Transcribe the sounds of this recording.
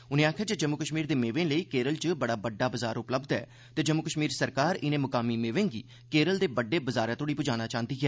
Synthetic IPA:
ʊnẽːaːkʰjaːd͡ʒed͡ʒəmːʊkəʃmiːɾd̪eːmeːʋẽːləiːkeːɾəlt͡ʃbəɽaːbəɖːaːbəzaːɾʊpləbd̪ɛ̰ː | t̪eːd͡ʒəmːʊkəʃmiːɾsəɾkaːɾɪnẽːmʊkaːmiːmeːʋẽːŋɡḭː | keːɾəld̪eːbəɖːeːbəzaːɾɛ̃ːt̪ʰoːɽiːpʊd͡ʒaːñaːt͡ʃãːnt̪iːɦɛː

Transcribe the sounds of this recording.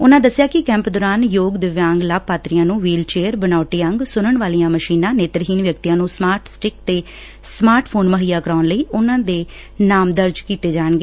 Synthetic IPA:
ʊnãːd̪əsːjaːkɪkɛ̃ːmpd̪ɔːɾaːnjoːɡd̪ɪʋjãːŋɡlaːb̚paːt̪ɾijãːnũːʋiːlt͡ʃeːəɾbənaːʈeːəŋɡsʊnəɳʋaːlijãːməʃiːnãːneːt̪əɾɦiːnʋjək̚t̪ijãːnũːsmaːɾʈsʈɪkt̪eː | smaːɾʈʰpʰoːnməɦiːjaːkəɾaːnləiːʊnãːd̪eː | naːmd̪əɾd͡ʒkiːt̪eːd͡ʒaːəɳɡeː

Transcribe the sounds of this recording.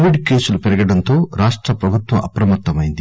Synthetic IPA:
ʋiɖkeːsulupɛɾɐɡɐɽɐnt̪o̞ːɾaːʂʈɾɐpɾɐbʱut̪wʋɐ̰mʔɐpɾɐmɐt̪ːɐmɐjind̪i

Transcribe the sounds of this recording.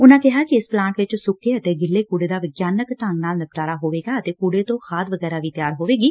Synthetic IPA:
ʊnãːkɪɦaːkɪɪsplãːɳʈʋɪt͡ʃsʊkːeːət̪eːɡɪlːeːkuːɽeːd̪aːʋɪɡjaːnəkʈ̪aŋɡnaːlnəp̚ʈaːɾaːɦoːʋeːɡaːət̪eːkuːɽeːt̪õːxʰaːt̪ʋəɡɛːɾaːʋiːt̪ɪjaːɾɦoːʋeːɡiː

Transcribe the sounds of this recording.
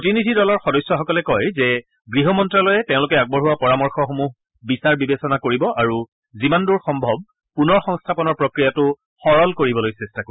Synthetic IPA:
potinidʱidɔlɔɹxɔdɔjsjɔxɔkɔlɛkɔjzɛ | ɡɹiɦɔmɔntɹalɔjɛteʊ̃lʊk̬ɛaɡ̚bɔɹɦuwapɔɹamɔɹxɔxomuɦ | bisaɹbibesɔnakoɹibɔʔaɹu | zimanduɹxɔmbʱɔb̚ | punɔɹxɔ̃ŋstʰapɔnɔɹpɹokɹijatʊ | xɔɹɔlkoɹibɔlojsɛstakoɹi

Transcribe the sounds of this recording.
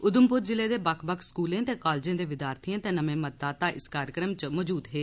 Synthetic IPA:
ʊd̪əmpʊɾd͡ʒɪleːd̪eːbəkʰbəkskuːlẽːt̪eːkaːlːd͡ʒẽːd̪eːʋɪd̪jaːɾt̪ʰiãːt̪eːnəmẽːmədd̪aːt̪ãːʔɪskaːɾjəkɾəmt͡ʃmɔːd͡ʒuːd̪ɦeː

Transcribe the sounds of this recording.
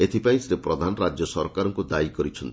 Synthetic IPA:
et̪ʰipaĩsɾepɾɔd̪ʱanɔɾad͡ʒjɔsɔɾkaɾɔŋkud̪aikɔɾit͡ʃʰɔnt̪i̥

